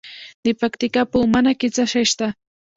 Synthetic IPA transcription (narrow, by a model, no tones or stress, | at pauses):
nɪpakt̪ɪkapumanakɪt͡saʃaʃt̪a